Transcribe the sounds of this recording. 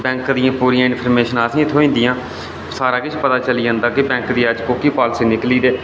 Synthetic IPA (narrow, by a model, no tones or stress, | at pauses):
bɛ̃ːŋkd̪ijãːpuːɾijãːɪ̃npʰəɾmeːʃənaːsĩːt̪ʰoːĩːnd̪ɪjãː | saːɾaːkɪt͡ʃpət̪aːt͡ʃəliːd͡ʒãːnd̪aːkɪbɛ̃ːŋkd̪iːəd͡ʒkoːkiːpaːlseːnɪkliːd̪eː